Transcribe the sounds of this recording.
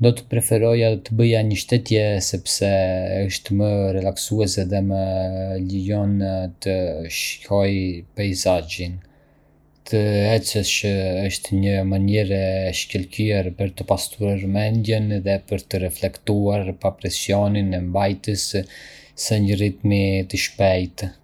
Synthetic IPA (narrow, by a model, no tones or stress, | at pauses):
nd̪ɔt̪ə̥pɾɛfɛɾɔjad̪ɔt̪əbəjaɲəʃt̪ɛt̪jɛsɛpsɛəʃt̪mərɛlaksuɛsɛðɛməlijɔnt̪əʃkʰɔjpajzad͡ʒin | t̪ʰəɛt͡sət͡ʃəəʃt̪ɲəmanɛɾɛʃcəlkiɛɾpəɾt̪əpast̪uɾaɾmɛnd̪jənðɛpəɾt̪əɾɛflɛkt̪uaɾpapɾɛsjɔninɛmbajt̪əsː | ɛɲərit̪mit̪əʃpɛjt̪